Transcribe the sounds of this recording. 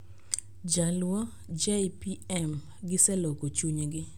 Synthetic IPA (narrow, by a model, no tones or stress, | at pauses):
d͡ʒalwɔ | d͡ʒɛjpiɛm | ɡɪsɛlokot͡ʃuɲɡɪ